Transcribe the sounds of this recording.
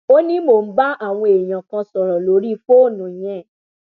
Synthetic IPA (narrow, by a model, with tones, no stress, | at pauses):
o˦nĩ˦mo˨n̩˦ba˦a˦˨w̃ɔ̃˧e˨j̃ã˨kã˧sɔ˨ɾɔ˨lo˨˦ɾi˦fo˦˨nũ˨j̃ɛ̃˦˨